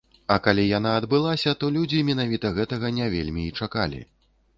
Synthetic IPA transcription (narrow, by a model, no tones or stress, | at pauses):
ɐkalʲijan̪aɐd̪bɨlˠasʲɐt̪ɔlʲud͡zʲimʲin̪avʲit̪ɐɣɛt̪ɐɣɐnʲavʲḛlʲmʲiːt͡ʂakalʲḭ